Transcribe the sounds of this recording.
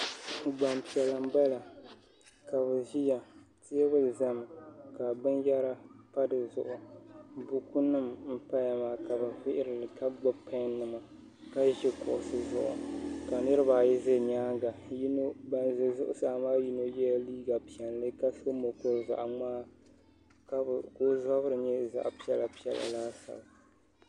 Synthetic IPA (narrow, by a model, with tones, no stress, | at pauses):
ɡ͡ba˨mpi˨ɛ˨lɨ˨m̩˦ba˦la˨ | ka˨βɨ˨ʒi˦ja˨tɪ˦ɛ˦βɨ˦lza˦m˨ka˨bɨ˦njɛ˦ɾa˦pa˦dɨ˨zʊ˨ʔʊ˨bu˦ku˦nɨ˦mm̩˦pa˦ja˨maː˨ka˨bɨ˨vɪ˦ʔɪ˦ɾɨ˨lɨ˨ka˦ɡ͡ba˦pʰa˦nːɨ˨ma˨ | ka˦ʒɪ˦kʊ˨ʔʊ˨sɨ˦zʊ̰˨ʔʊ̰˨ka˨nɨ˦ɾɨ˦baː˨jɪ˦ze˦ɲaː˦ɡa˨ji˦no˦ba˦nzɨ˨zʊ˦ʔʊ̰˦saː˨maː˦ji˦no˦jɛ˦ja˦liː˦ɡa˨pi˨ɛ˨n˨lɨ˦ka˦so˦mo˨kʊ˦˨za̰˨ʔŋaː˦ | ka˦˨ko˦zɔ˦bɾɨ˨ɲɛ˦za̰˨ʔpi˦ɛ˦la˨pi˦ɛ̰˨la̰˨laː˦sa̰˨l